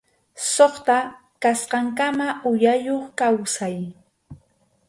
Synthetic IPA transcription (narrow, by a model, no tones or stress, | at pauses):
soχt̪a | kasqɑŋkamaʔʊjajoχkawsaj